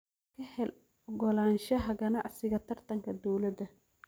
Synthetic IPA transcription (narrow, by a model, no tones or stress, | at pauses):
kʰɐhɛl | ɔɡɔlaːnʃɐɦɐɡɐnaʕsɪɣɐt̪ʰɐrt̪ʰɐŋkʰɐd̪ɔwlɐd̪ɐ